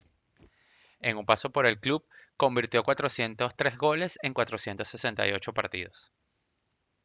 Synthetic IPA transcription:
e̞ŋumpaso̞po̞ɾe̞lklub̚ko̞mbiɾt̪jo̞kwat̪ɾosje̞nt̪o̞st̪ɾe̞zɣo̞le̞se̞ŋkwat̪ɾo̞sje̞nt̪o̞sːe̞se̞nt̪a̰jo̞t͡ʃo̞paɾt̪ḭðo̞s

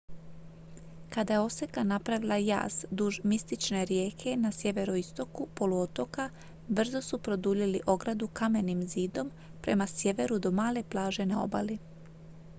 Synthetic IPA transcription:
kad̪ajeo̞se̞kanapɾaʋilˠaja̰ːzd̪uʒmist̪it͡ʃne̞ɾjeːkʰe̞nasje̞ʋe̞ɾo̞ist̪o̞kupo̞luot̪o̞ka | br̩zo̞supɾo̞d̪uʎiliʔo̞ɡɾad̪ukame̞nimziːd̪o̞m | pɾe̞̰masje̞ʋe̞ɾud̪o̞maːle̞plˠaːʒe̞nao̰ba̰li

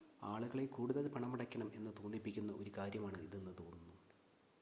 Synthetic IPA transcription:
aːɭuɣɐɭe̞kuːɽuðɐlpɐɳɐmːɐɽɐkʲːɐɳɐme̞̰nːɨt̪oːnd̪ipːikʲːunːɐʔo̞ɾukaːɾjɐmaːɳɨiðenːɨt̪o̞ːnːunːu

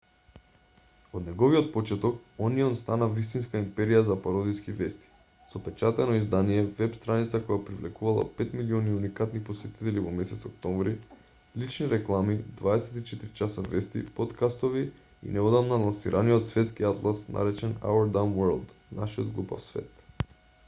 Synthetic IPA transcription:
od̪nɛɡoviot̪̚pot͡ʃɛt̪ɔkɔniɔnst̪anavist̪inskaimpɛɾijazapaɾod̪iskivɛst̪i̥ | sɔpɛt͡ʃat̪ɛnɔizd̪anijɛvɛpst̪ɾanit̪sakɔjapɾivlɛkuvalˠa̰pɛt̪miliɔniunikat̪niposɛt̪i̥t̪ɛlivɔmɛsɛt̪sɔk̚t̪ɔmvɾi | lit͡ʃniɾɛklˠamid̪vaɛsɛt̪it͡ʃɛt̪iɾit͡ʃasavɛst̪ḭpot̪kast̪ovi | ḭnɛɔd̪amnalˠansiɾʔaniot̪svɛt̪skiat̪lˠasnʔa̰ɾɛt͡ʃɛna̰ɛɾd̪amwɛɾlˠd̪naʃio̰d̪ɡlˠupa̰fsvɛ̰t̪

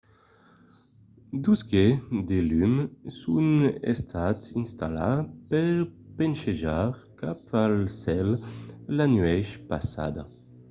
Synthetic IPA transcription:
d̪usɡed̪elymsunḛst̪ʰat̪sinst̪ala̰pɛʁpenʃeʒaʁkapalsɛllanɥɛʃpasa̰d̪a

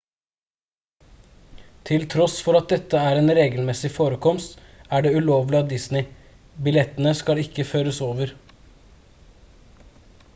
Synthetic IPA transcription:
t̪ʰɪlt̪ʰɾɔsfɔɾɑt̪̚d̪ɛt̪ːəæːɾeːnɾeːɡəlmɛsɪfoːɾəkʰɔmst̪ | æːɖeːʉloːʋlɪɑd̪ɪsnɪ | bɪlɛt̪ənəskɑlɪkːəføːɾəsoːʋəɾ

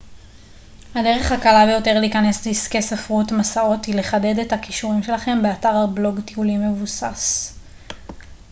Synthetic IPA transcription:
hade̞ʁe̞χhakalabejo̞te̞ʁliːkane̞sdiskesafʁutmasao̞thile̞χade̞dethakiʃuʁimʃe̞laχe̞mbeataʁablo̞ɡtiulimːe̞vusa̰s

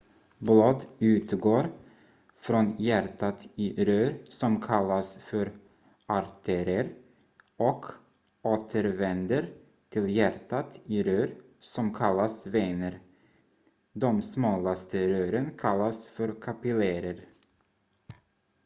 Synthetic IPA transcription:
blɑːd̪ʉ̟ːt̪ɡoːɾ | fɾɔnjæɾt̪at̪ɪɾøːɾsɔmkʰalːasfœɾ | aɾt̪ʰɛɾəɾ | ɔkʰ | ʔoːt̪ʰəɾvɛnd̪əɾ | t̪ʰɪljæɾt̪at̪ɪɾøːɾ | sɔmkʰalːasveːnəɾ | d̪ɔmsmɑːlast̪əɾøːɾənkʰalːasfœɾkʰapɪleɾəɾ

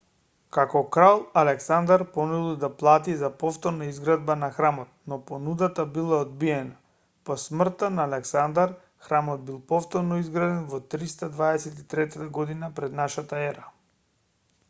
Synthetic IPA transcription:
kakɔkɾalˠalɛksand̪aɾpɔnulˠid̪aplˠat̪izapɔft̪ɔɾnaizɡɾad̪̚banaxɾamɔt̪̚nɔpɔnud̪at̪abilˠaɔd̪̚biɛna | pɔsmr̩t̪anaːlɛksand̪aɾ | xɾamɔd̪̚bilˠpɔft̪ɔɾnɔizɡɾad̪ɛnvɔt̪ɾist̪ad̪vaɛsɛt̪it̪ɾɛt̪at̪aɡɔd̪inapɾɛd̪naʃat̪aɛɾa

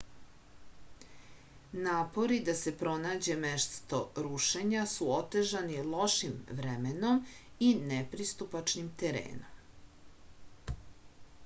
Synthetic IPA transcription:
naːpo̞ɾid̪ase̞pɾo̞naːd͡ʑe̞meʃst̪o̞ɾuʃe̞ɲasuot̪eʒanilˠo̞ʃimʋɾemeno̞minepɾist̪upat͡ʃnimt̪eɾḛːno̰m

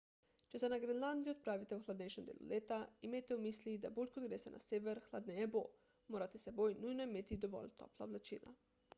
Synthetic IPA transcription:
t͡ʃesenaɡɾenlˠand̪ijuod̪̚pɾaːʋit̪euxlˠad̪nejʃemd̪ḛːlˠṵlʲʔeːt̪aimejt̪eumislid̪abulʲkod̪ɡɾesena̰seʋeɾxlˠad̪nebo̰ | moɾat̪esebojnujnoimet̪id̪oʋo̰lt̪ʰo̰plˠaoblet͡ʃḭːna̰

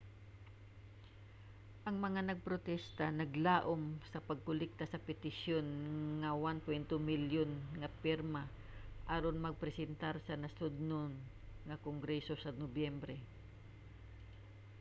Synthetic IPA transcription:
ʔɐŋmɐŋanɐɡ̚pɾot̪ɛst̪anɐɡlaːʔomsɐpɐɡ̚kʊlɪk̚t̪asɐpɛt̪ɪsjonŋɐwanpwɛnt̪omɪljonŋɐpɪɾma | ʔaɾonmɐɡ̚pɾɛsɛnt̪aɾsɐnɐsʊd̪̚non | ŋɐkoŋɡɾɛsosɐnobjɛmbɾɛ

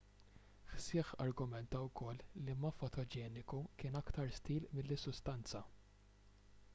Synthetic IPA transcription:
ħsɪːħɐɾɡʊmɛnt̪ɐwkɔlːimɐfɔt̪ʰɔd͡ʒɛːnɪkukɪːnɐkt̪ɐɾst̪iːlmɪlːɪsːʊst̪ɐnt͡sɐ

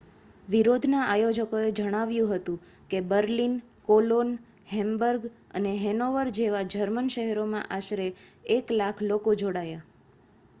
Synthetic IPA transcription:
ʋiɾod̪ʱnaʔajod͡ʒəkoed͡ʒəɽ̃aʋjũɦət̪ũ | kebəɾlin | kolon | hɛmbəɾɡə̰neɦɛnoʋəɾd͡ʒeʋad͡ʒəɾmənʃəɦɛɾomã̰ʔaʃɾeːklakʰlokod͡ʒoɽaja

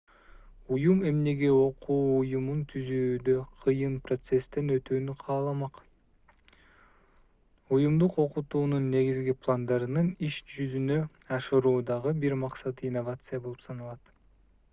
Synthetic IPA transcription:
ujume̞mne̞ɡe̞o̞qʰuːjumunt̪ʰyzyːd̪ø̞qʰɯjɯnpro̞t̪se̞st̪e̞nø̞t̪yːnyqʰɑːlˠɑmɑq | ujumd̪uqo̞qut̪uːnunːe̞ɡizɡiplˠand̪ɑɾɯnɯniʃd͡ʒyzynø̞ɑʃɯɾuːd̪ɑʁɯbiɾmɑqsɑt̪inːovat̪sɨjabo̞lˠupsɑnɯlˠɑt̪

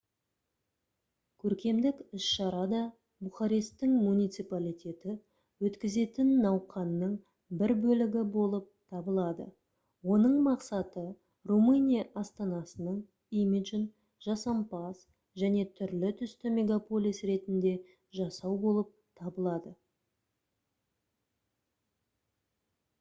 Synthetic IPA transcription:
kʲʰɵɾkʲe̞md̪ɪkɪsʃɑɾɑd̪ɑ | buχɑɾist̪ɪŋmunijt̪sijpalʲijt̪ʲe̞t̪ɪ | wɵt̪kʲɪze̞t̪ɪnːɑwqɑnːəɴ | bɪɾbɵlɪɡʲɪbo̞lˠəp̚t̪ʰɑbəlˠɑd̪ə̰ | wo̞nəɴmɑqsɑt̪ə | rumɨnʲijaʔɑst̪ɑnɑsənəɴ | imiʒn | ʒɑsɑmpas | ʒæne̞t̪ʰʏɾlɪt̪ʰʏst̪ɪme̞ɡapo̞lʲijsɾe̞t̪ɪnd̪e̞ | ʒɑsɑwbo̞lˠəp̚t̪ʰɑbəlˠɑd̪ə

